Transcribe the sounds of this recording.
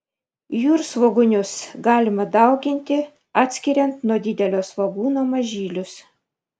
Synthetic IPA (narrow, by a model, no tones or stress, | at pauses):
juːɾsʋoɡʊnʲʊsɡɑːlʲɪmɐd̪ɑˑʊɡʲɪnʲt̪ʲɪ | ɑːt̪ʲsʲkʲiɾʲɛnt̪nuɔd̪ʲɪd̪ʲɛlʲoːsʋɐɡuːnoːmɐʒʲiːlʲʊs